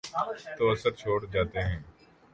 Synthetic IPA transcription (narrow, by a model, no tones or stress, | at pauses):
t̪oːɐsəɾt͡ʃʰoːɽd͡ʒaːt̪eɦɛ̃ː